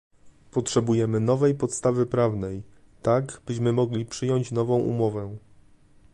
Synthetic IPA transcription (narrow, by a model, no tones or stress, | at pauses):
pɔtʂɛbujɛmɘnɔvɛjpɔt̪st̪avɘpɾavnɛj | t̪aɡbɘɕmɘmɔɡlʲipʂɘjɔɲt͡ɕnɔvɔ̃w̃ʔṵmɔvɛ